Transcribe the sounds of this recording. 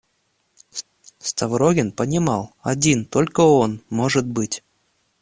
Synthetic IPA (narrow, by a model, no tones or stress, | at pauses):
st̪ɐvɾoɡʲɪnpənʲɪmɑlˠɐdʲint̪olʲkəonmoʐɨt̪̚bɨtʲ